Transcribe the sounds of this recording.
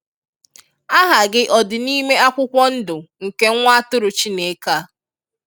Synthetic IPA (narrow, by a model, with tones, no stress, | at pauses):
a˦ɦa˨ɡɪ˦ʔɔ˨dɪ˨ni˦me˦a˦kʷʊ˦kʷɔ˦n̩˦dʊ˨ŋ̩˨ke˦ŋʷa˦tʊ˦ɾʊ˨t͡ʃi˦ne˨˦ka˦